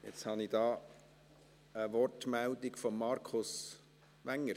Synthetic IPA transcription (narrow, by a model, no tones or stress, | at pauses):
jɛt͡shɑnid̥ɑː | əʋɔɾtmæld̪ɪɡfɔmːɑɾkʰʊs | ʋæŋːəɾ